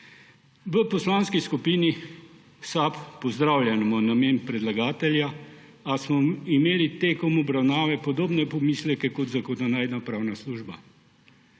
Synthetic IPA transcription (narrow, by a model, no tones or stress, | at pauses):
ʋəpɔslaːnskiskupiːni | sappɔzd̪ɾaːwljɛnmɔnameːnpɾɛd̪laɡaːt̪ɛlja | asmɔimeːlit̪eːkɔmɔbɾawnaːʋɛpɔd̪oːbnɛpɔmiːslɛkɛkɔt̪zakod̪anaːjd̪napɾaːwnasluːʒba